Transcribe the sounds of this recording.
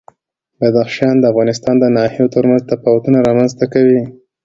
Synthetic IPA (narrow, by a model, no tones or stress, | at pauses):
bad̪axʃijɑnd̪əafɣɑnɪst̪ɑnd̪ənɑhijot̪əɾmanzt̪apɑwat̪unaɾɑmanzt̪akawi